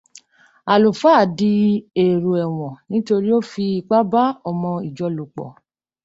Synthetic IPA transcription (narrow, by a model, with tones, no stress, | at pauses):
a˨lo˨fa˦˨di˧e˨ɾo˨ɛ˨w̃ɔ̃˨nĩ˦to˧ɾi˦o˦fi˧i˧ɡ͡ba˦ba˦ɔ˧mɔ̃˧i˨d͡ʒɔ˧˦lo˨k͡pɔ̰˨